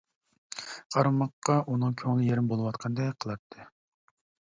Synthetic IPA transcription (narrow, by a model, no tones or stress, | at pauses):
qʰɑɾmɑqːɑʔunɨŋkʲʰøŋlɪjeɾɪmbolˠɨwɑt̪qʰɑnd̪ɛqʰəlˠɑt̪ʰːɨ